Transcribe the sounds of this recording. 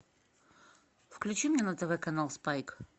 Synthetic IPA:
fklʲʉt͡ɕimnʲɛnət̪ɛvɛkɐnalˠspajk

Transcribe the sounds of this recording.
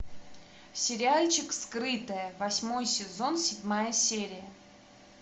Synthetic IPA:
sʲɪɾʲɪalʲt͡ɕɪkskɾɨt̪əjəvɐsʲmo̞jsʲɪzo̞nsʲɪdʲmajəsʲeɾʲɪjə

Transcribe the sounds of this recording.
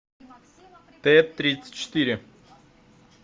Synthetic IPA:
t̪ɛt̪ːɾʲit̪sə̥tʲt͡ɕːɪ̥t̪iɾʲɪ

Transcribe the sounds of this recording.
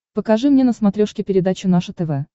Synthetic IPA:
pəkɐʐɨmnʲenəsmɐt̪ɾʲoʂkʲɪpʲɪɾʲɪd̪at͡ɕʊnaʂɨt̪ɛvɛ

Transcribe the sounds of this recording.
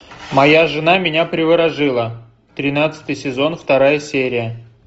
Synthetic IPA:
mɐjaʐɨnamʲɪnʲapɾʲɪvɨɾɐʐɨlˠə | t̪ɾʲɪnat̪sɨ̥t̪ɨjsʲɪzo̞nft̪ɐɾajəsʲeɾʲɪjə

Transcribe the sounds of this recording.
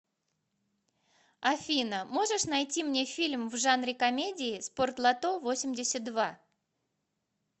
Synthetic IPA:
ɐfʲinəmo̞ʐɨʂnɐjtʲimnʲe̞fʲilʲmvʐanɾʲɪkɐmʲedʲɪɪspo̞rt̪lˠɐt̪ovo̞sʲɪmʲdʲɪsʲət̪̚d̪va

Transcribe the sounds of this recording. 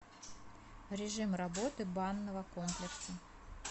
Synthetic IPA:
ɾʲɪʐɨmrɐbo̞t̪ɨbanːəvəkomplʲɪksə

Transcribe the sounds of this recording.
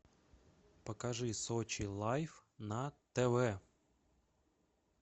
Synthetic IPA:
pɔkɐʒɪsɔt͡ʃilˠɑjfnɐt̪eʋɛ

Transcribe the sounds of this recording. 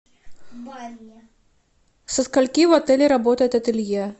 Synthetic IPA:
sɐskalʲkʲivat̪ɛlʲiɾabɔt̪ɐjɛt̪ɐt̪ɨlʲjɛ

